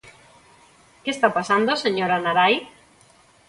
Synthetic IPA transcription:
kest̪apasand̪oseɲoɾanaɾaj

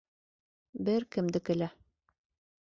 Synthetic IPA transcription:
bɘɾkɘ̆md̪ɘkɘ̆læ

